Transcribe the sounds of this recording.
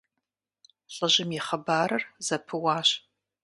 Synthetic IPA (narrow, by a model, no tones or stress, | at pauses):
ɬʼɐʒɪmjɪχɐbaːɾɐrzɐpʰɨwaːɕ